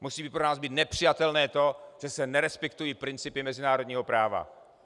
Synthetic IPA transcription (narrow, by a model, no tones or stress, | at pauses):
musiːbipɾonaːzbiːt̪nɛpr̝̥ɪjat̪ɛlnɛːt̪o̞ʒ̥ɛsɛnɛɾɛspɛkt̪ujiːpɾɪnt͡sɪpɪmɛzɪnaːɾod̪ɲiːɦo̞pɾaːva̰